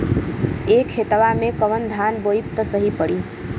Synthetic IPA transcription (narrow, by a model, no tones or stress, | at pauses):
ekʰet̪əʋamẽkəʋənd̪ʱanboipt̪əsəɦipəɽi